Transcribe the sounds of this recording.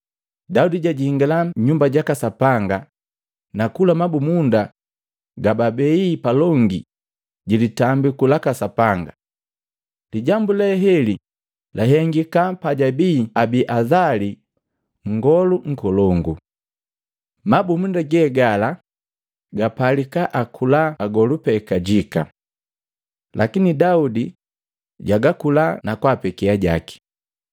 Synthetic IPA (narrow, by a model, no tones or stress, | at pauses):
daudiɟaɟihiŋɡalaɲumbaɟakasapaŋɡa | nakulamabumunda | ɡababɛipalɔŋɡḭ | ɟilitambikulakasapaŋɡa̰ | liɟambulɛɦɛli | lʔaɦɛŋɡikapaɟabiːabiʔazali | ŋ̩ɡɔluŋ̩kɔlɔŋɡu | mabumundaɡɛːɡala | ɡapalikaʔakʰulaːɡɔlupɛkaɟika̰ | lakinidaudi | ɟaɡakulanakwaːpɛkɛaɟa̰ki̥